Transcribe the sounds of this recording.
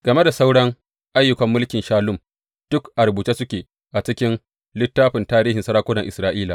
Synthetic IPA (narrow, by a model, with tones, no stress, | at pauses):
ɡ̥ɐ˨me˦da˨sa˦wɽɐ˦ŋ | ʔa˦jːʊ˨kɐ˦mːʊ˦lkʲɪ˨nʃaː˦lʊ˦˨m | d̥ʊ˦kʔa˨rbuː˨t͡ʃeː˦sʊ˦kʲeː˨ | ʔa˨t͡ʃɪ˦kʲɪ˦n | lɪ˦tːaː˦ɸɪ˨ntaː˦ɾiː˦hɪ˨nsɐ˦ɾaː˦kʷʊ˦dɐ˨ŋʔɪ˨sɾaː˦ʔiː˦la̰ː˨